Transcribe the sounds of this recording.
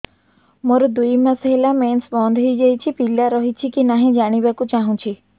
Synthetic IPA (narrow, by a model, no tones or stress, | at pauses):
mɔɾɔd̪ujmãsɔɦelamensbɔnd̪ʱɦɔjd͡ʒajt͡ʃʰipilːaɾɔɦit͡ʃʰikinaɦĩd͡ʒaɽ̃ibakũt͡ʃaɦũt͡ʃʰi